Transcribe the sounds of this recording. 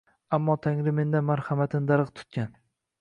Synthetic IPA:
amːɒt̪ʰaŋɾɪme̞nd̪anmaɾhamat̪ʰɪnd̪aɾqt̪ʰʊ̥t̪̚kʲan

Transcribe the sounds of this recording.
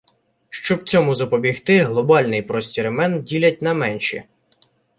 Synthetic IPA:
ʃt͡ʃɔbwt͡sʲɔmʊzɐpɔbʲixt̪ɪɦlˠɔbɑlʲnɪjpɾɔsʲtʲiɾemɛndʲilʲɐt̚ʲnɐmɛnʲʃḭ

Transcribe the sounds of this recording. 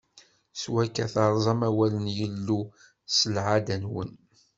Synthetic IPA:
swækːæθɑɾˤzˤɑmæwælənjəlːu | səlʕad̪ænwə̰n

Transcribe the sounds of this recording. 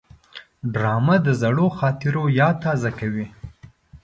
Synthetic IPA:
ɖɾɑmad̪əzaɽoxɑt̪ɪɾojɑt̪ɑzakawi

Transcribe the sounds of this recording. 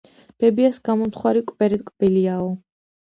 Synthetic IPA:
b̥ɛbiasɡamɔmt̪χwaɾikʼb̥ɛɾɛt̪kʼb̥iliaɔ

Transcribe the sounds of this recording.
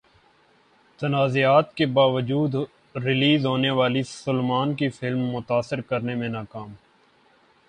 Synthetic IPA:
t̪ɐnaːziaːt̪kebaːʋəd͡ʒuːd̪ | ɾɪliːzɦoːneʋaːlisʊlmaːnkifʰɪlmːʊt̪aːsɪɾkəɾnemẽnaːkaːm

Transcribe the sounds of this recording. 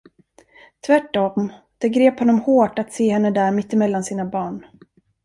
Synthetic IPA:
t̪ʰvæʈːɔm | d̪̥ɛɡɾeːphɔnːɔmhoːʈat̪seːhɛnːəd̪æːɾmɪt̪ːɪmɛlːansiːnabɑːɳ

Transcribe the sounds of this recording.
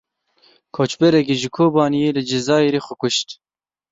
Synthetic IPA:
kʰoːt͡ʃbɛɾɛk̬eʒɨkʰoːbɑːnijeːlɨd͡ʒɪzɑːjeɾeːxʷɛkʷʊʃt̪

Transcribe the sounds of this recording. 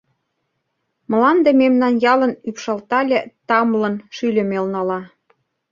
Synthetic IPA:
m̆lɑnd̪ememnɑnjɑlə̆nypʃɑlt̪ɑlʲĕt̪ɑmlɤ̆nʃylʲĕmelnɑlɑ

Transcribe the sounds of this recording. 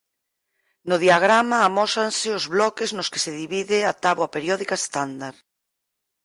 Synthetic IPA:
nʊðiaɣ̞ɾamaːmɔsanseozβlɔkeznʊske̥seðiβiðeat̪aβapeɾjɔðikaest̪and̪aɾ

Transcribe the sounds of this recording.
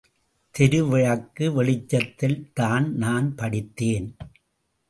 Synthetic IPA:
t̪ɛɾɯʋɪɻɐkːɯʋɛɭɪt͡ʃːɐt̪ːɪlt̪aːnnaːnpɐɽɪt̪ːeːn

